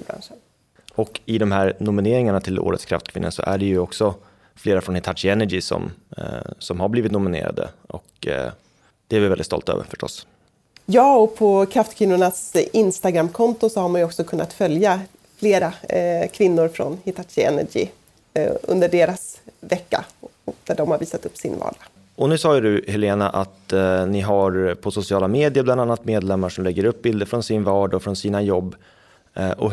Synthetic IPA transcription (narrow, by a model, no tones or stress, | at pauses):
bɾa̰nʂən | ɔkɪd̪ɔmhæːɾnʊmɪneːɾɪŋaɳat̪ʰɪlo̰ːɾət̪skʰɾa̰ft̪kʰvɪnːəsɔ̰ʔæɖɛjɵɔksɔ | fleːɾafɾɔnhɪt̪ʰaʂɪɛnːæɡisɔ̰m | sɔmhabliːvɪt̪nʊmɪnḛːɾa̰d̪ə̰ʔɔk | d̪̥ɛævɪvɛld̪ɪt̪t̪ɔ̰lt̪ø̰ːvə̰ɾfœ̥ʂʈɔ̰s | jɑːɔpʰɔkʰɾaft̪kʰvɪnːʊɳasɪnst̪aɡɾamːkʰɔnt̪ʊsɔhaɾmanjɵɔksɔkʰɵnːa̰t̪fœlja | fleːɾakʰvɪnːʊɾfɾɔ̰nhɪt̪ʰaʃɪɛ̰nːæ̰ɡḭ | ɵ̰nd̪əɖeːɾasvɛkːa̰ɔd̪̥æɖɔmhaɾviːsat̪ɵpːsɪ̰nvɑ̰ːɖa | ɔnʉsɑːjd̪ɵhɛleːna̰ʔat̪nɪɦaɾpʰɔsʊsɪɑːlameːd̪ɪjəɾbland̪anːat̪meːd̪lɛmːaʂɔmlɛɡːəɾɵp̚ːbɪld̪əfɾɔnsɪnvɑːɖaɔfɾɔnsiːnajɔbː | ʔɔ̰